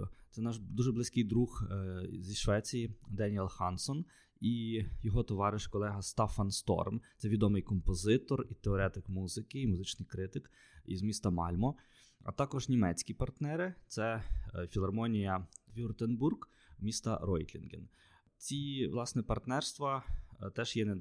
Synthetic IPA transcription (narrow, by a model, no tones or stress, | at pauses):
t̪sɛnɑʃd̪uʒɛblˠɪsʲkɪjd̪ɾuxzʲiʃʋɛt͡sʲijid̪ɛnʲiɛlˠxɑnsɔn | ijɔɦɔt̪ɔʋɑɾɪʃkɔlˠɛɦɐst̪ɑfɐnst̪ɔ̰rmt̪sɛʋʲid̪ɔmɪjkɔmpɔzɪt̪ɔrit̪eɔɾɛt̪ɪkmuzɪkɪimʊzɪt͡ʃnɪjkɾɪt̪ɪk | ḭzmʲist̪ɐmɑ̰lʲmɔ | ɐ̰t̪ɑkɔʒnʲimɛt͡sʲkʲipɐrt̪nɛɾɪt̪sɛfʲilˠɐrmɔnʲijɐʋʲuʊrt̪enburɡ | mʲist̪ɐ̰ɾɔjt̪lʲḭnɡʲen | t͡sʲiʋlˠɑsnɛpɐrt̪nɛrst̪ʋɐt̪ɛʒjɛnɛ